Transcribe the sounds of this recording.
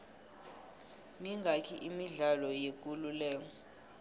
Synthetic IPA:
miŋʱakʰiʔimiɮalɔjek̬ʼululɛːŋ̬ɔ

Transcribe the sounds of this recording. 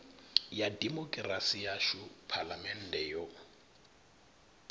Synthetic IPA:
jadimɔkʼrasijaʃʊpʰalamɛn̩dɛjo

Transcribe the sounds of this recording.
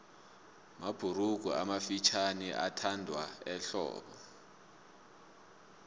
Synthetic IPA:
mab̥ʱuɾuɡ̥̬ʱua̰mafit͡ʃʰaniʔa̰tʰandʱwaɛɬɔ̰ːɓɔ

